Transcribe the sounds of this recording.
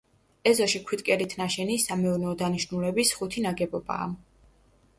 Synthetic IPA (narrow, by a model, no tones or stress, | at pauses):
ɛzɔʃikʰwit̪ʼkʼɛɾit̪ʰnaʃɛnisamɛuɾnɛɔd̪aniʃnulɛbisχut̪ʰinaɡɛbɔba̰ː